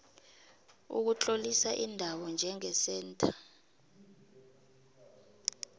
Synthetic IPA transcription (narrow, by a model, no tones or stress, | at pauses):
ṵk̬ut͡ɬʼolisaʔindʱawɔnd͡ʒʱɛŋɛsɛːntʰʼḁ